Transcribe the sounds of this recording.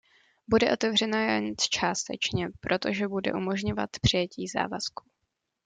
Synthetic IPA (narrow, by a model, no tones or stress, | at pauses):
budɛʔo̞t̪ɛvr̝ɛnajaɲt͡st͡ʃaːst̪ɛ̰t͡ʃɲɛpɾʔo̞t̪o̞ʒɛbudɛ̰ʔumo̞ʒɲo̞vat̪pr̥ɪjɛciːza̰ːvasku̥